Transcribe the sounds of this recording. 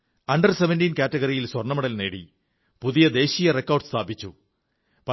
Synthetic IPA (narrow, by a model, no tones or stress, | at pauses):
ɐɳɖɐrseʋendiːnkaːtːɐɣɐɾijilswɐrɳɐmɐɽɐlne̞ːɽḭ | puðijɐd̪e̞ːɕijɐrekːɐwrɖst̪ʰaːbit͡ɕːu | pɐ